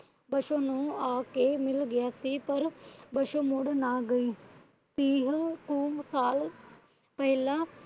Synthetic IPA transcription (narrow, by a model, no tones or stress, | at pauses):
bɐʃõːnũːaːkemɪlɡɪjaːsiːpɐɾbɐʃõmʊɽnaːɡəiː | t̪iːɦkuːmsaːl | pəɦɪlãː